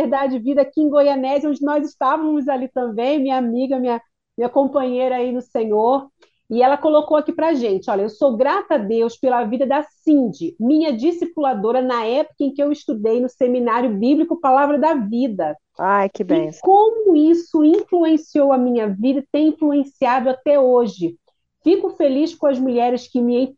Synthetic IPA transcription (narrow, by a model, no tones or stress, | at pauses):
eɾd̪ad͡ʒd͡ʒɪvid̪ɐakiẽɡojɐnɛzɪõd͡ʒɪnɔzɪʃt̪avɐ̃mɐ̃mʊzalit̪ɐ̃mbẽj̃mĩɲɐamiɡɐmĩɲɐ | miɲɐkõpɐ̃ɲejɾɐainʊsẽɲoɾ | ɪɛlɐkolokowakipɾɐʒẽnt͡ʃɪɔʎɐewsowɡɾat̪ad̪ewspelɐvid̪ɐd̪ɐsĩd͡ʒɪmĩɲɐd͡ʒisipulad̪oɾɐnɐɛpʊ̥kɐẽj̃kɪewɪʃt̪ud̪ejnʊseminaɾjʊbiblikʊpalavɾɐd̪ɐvid̪ɐ | ajkɪbẽkõmʊisʊĩfluẽsiowɐmĩɲɐvid̪ɐt̪ẽj̃ĩfluẽsiad̪ʊat̪ɛoʒɪ | fikʊfeliʃkõɐzmuʎɛɾɪʃkɪmɪẽ